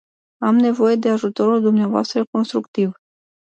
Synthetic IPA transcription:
amne̞vo̞je̞d̪e̞aʒut̪o̞ɾuld̪umneavoa̰st̪ɾəko̞nst̪ɾukt̪iv

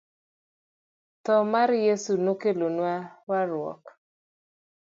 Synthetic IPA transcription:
t̪ɔmaɾjesunokelonwawaɾwɔ̰k

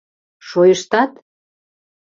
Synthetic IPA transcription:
ʃojəʃt̪ɑt̪

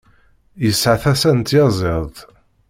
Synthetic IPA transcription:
jəsʕaθæsænt̪jɑzˤeðˤ

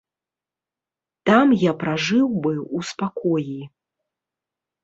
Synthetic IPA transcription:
t̪amjapɾaʐɨwbɨuspakɔji

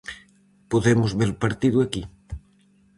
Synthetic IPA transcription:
poðemʊzβeɾpaɾt̪iðwaki

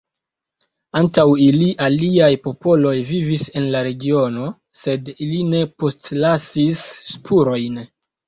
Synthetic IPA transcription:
antawiliʔaliajpo̞po̞lo̞jvivise̞nlaɾe̞ɡio̞no̞ | se̞diline̞po̞stlasisːpʰuɾo̞jn

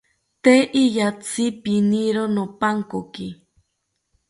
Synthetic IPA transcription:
t̪eʔijat͡sʰipiniɾonopaŋkoki

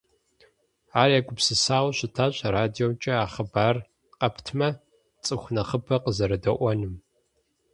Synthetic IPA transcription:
aːrjaːkʷʼʊpsɨsaːwʷɕʷɪtʰaːɕʼɐraːdiomt͡ʃʼɐaːχəbaːr | qʼɐpʰtʰmɐ | t͡sʼɨxʷnɐχəpʰɐqəzɐɾɐdɐʔʷɔnɨm

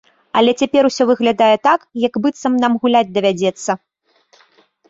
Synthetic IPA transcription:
ɐlʲɛt͡sʲapʲɛɾusʲɔvɨɣlʲad̪ajɛt̪akjɐkbɨt̪sɐmnamɣulʲad͡zʲd̪ɐvʲad͡zʲɛt̪sːɐ

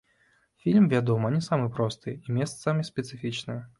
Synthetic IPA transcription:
fʲilʲmvʲad̪ɔmɐnʲɛsamɨjpɾɔst̪ɨimʲest̪samʲispʲɪt̪sɨfʲit͡ʃnɨ

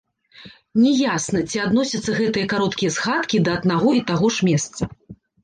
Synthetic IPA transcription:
nʲɛjasnɐt͡sʲiad̪nɔsʲɐt̪sːɐɣɛt̪ɨjɐkaɾɔt̪kʲijɛsxat̪kʲid̪ɐːd̪naɣɔit̪aɣɔʂmʲɛst̪sɐ

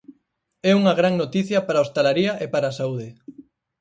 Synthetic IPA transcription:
ɛuŋɐɣɾaŋnot̪iθjɐpaɾaost̪alaɾiɐʔepaɾaːsauð̞ɪ

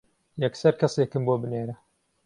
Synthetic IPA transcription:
jɛksɐɾkʰɐseːkɨmboːbɨneːɾɐ

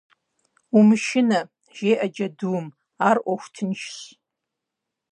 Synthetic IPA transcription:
umʃɪnɐ | ʒ̥ejʔɐd͡ʒɐdɨwm | arʔʷɔxʷtʰɨnʃɕ

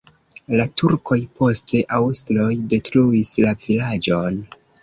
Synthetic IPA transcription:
latʰuɾkʰo̞jpʰo̞ste̞ʔawstlo̞jde̞tɾuislavilad͡ʒo̞n

